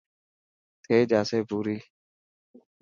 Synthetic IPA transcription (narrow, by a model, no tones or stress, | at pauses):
t̪ʰeːd͡ʒaːseːbuːɾiː